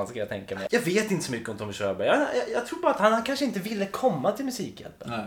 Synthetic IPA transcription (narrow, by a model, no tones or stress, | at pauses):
nskajat̪ʰɛŋkamɛ̰jjɑːɡveːt̪ɪnt̪ə̥sɔmʏkːəɔmd̪ʰɔmɪʃœːbœjɑmeːna̰jɑjɑːɡt̪ʰɾuːɾbɑːɾat̪hanhankʰanʂəɪnt̪əvɪlːəkʰɔmːat̪ʰɪlmɵsiːkjɛ̰lpən